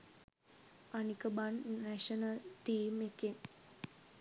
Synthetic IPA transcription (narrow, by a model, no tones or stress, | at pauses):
anikəbannæʃənəlʈiːmekin